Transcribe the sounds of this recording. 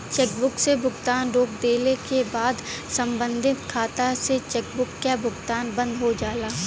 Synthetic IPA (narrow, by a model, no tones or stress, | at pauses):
t͡ʃeːkbʊksebʱʊɡt̪aːnɾoːkd̪eːlekebaːd̪sɐ̃mbə̃nd̪ʱɪt̪kʰaːt̪aset͡ʃɛːk̚bʊkːjabʱʊɡt̪aːnbə̃nd̪ɦod͡ʒaːlaː